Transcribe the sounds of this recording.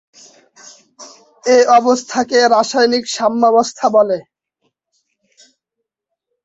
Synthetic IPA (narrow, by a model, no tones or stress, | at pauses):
eɔbost̪ʰakeɾaʃajnikʃamːɔbost̪ʰabole